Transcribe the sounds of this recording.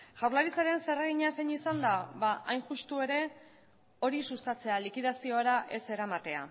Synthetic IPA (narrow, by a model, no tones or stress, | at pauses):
ʝawɾlaɾit͡saɾe̞nse̞reɣ̞iɲaseɲisand̪aβaʔajnʝust̪ue̞ɾe̞ | o̞ɾisust̪at͡se̞alikið̞asio̞aɾaʔe̞se̞ɾamat̪e̞a̰